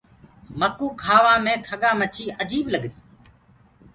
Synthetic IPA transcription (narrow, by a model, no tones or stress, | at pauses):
məkuːkʰaːʋãːmẽːkʰəɠaːmət͡ʃʰiːʔəd͡ʒiːɓləɠɾiː